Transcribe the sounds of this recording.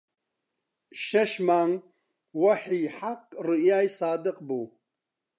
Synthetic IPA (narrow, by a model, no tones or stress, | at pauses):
ʃɐʃmaːŋ | wɐħiħaqrɨjaːjsaːd̪ɨqʼbu